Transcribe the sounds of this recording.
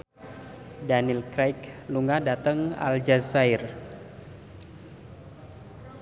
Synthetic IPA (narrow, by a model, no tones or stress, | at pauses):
danilkɾajkluŋadat̪əŋa̰ld͡ʒasajr